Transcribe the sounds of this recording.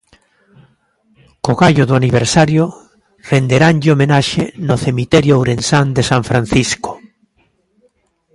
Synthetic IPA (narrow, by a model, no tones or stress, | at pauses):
koɣaʎoðoaniβ̞eɾsaɾjo | rend̪eɾanʎomenaʃenoθemit̪ɛɾjoowɾensand̪esãɱfɾan̟θisko̥